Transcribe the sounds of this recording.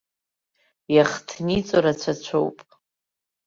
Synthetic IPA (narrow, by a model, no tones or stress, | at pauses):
jaχtʰnit͡sʷʼoɾat͡ɕʷʰat͡ɕʷʰowpʼ